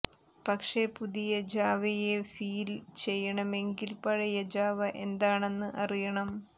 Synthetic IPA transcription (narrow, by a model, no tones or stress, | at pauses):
pɐkʂepuðijɐd͡ʑaːʋɐjefiːlt͡ɕe̞jːɐɳɐme̞ŋɡilpɐɻɐjɐd͡ʑaːʋɐʔe̞nd̪aːɳe̞nːɨʔɐrijɐɳɐm